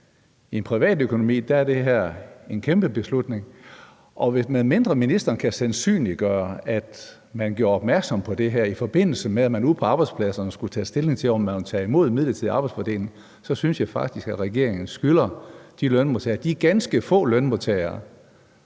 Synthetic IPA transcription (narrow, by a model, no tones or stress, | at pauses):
ie̝npʰʁiʋɛ̰ːd̥økʰo̝no̝mḭːd̥ææɐd̥e̝ɦæɐ̰e̝nkʰemb̥əb̥e̝slud̥ne̝ŋ | ʔɒ̽ʋe̝smeðˠme̝nd̥ʁɐminisd̥ɐːnkʰæsænsy̰ːnli̥ɡ̥ɶːɐæd̥ | mænɡ̥jo̰ːɐɒ̽b̥mæɐɡ̥sɒ̽mpʰɒ̽d̥e̝ɦæɐ̰ifɒ̽b̥e̝n̰l̩səmeæmænuðˠpʰɒ̽ɑ̈ːb̥ɑɪ̥spʰlæsɐnəsɡ̥u̥t͡sʰɛ̰ːsd̥e̝le̝ŋt͡sʰe̝lɒmːænt͡sʰɛ̰ːimo̝ð̞̰ˠmiðˠlˠɐt͡sʰiðˠiɑ̈b̥ɑ̈ɪdsfɒ̰ːd̥ḛːln̩ | sɒ̽synsjɑɪfɑ̈ɡ̥̚d̥isɡ̥æ̥ʁɛɡ̥e̝ɐ̰eŋn̩sɡ̥ylɐd̥ilœnmot͡sʰɛ̰ːɐd̥iæɡ̥ænsɡ̥əfɔ̰̽ːlœnmot͡sʰɛɪɐː